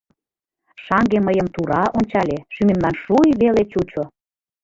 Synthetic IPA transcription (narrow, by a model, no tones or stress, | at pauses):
ʃɑŋɡeməjəmt̪uɾɑʔonʲt͡ɕɑlʲeʃymemlɑnʃujβelet͡ɕut͡ɕo